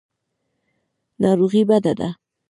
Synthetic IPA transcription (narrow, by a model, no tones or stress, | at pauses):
nɑɾoɣibad̪ad̪a̰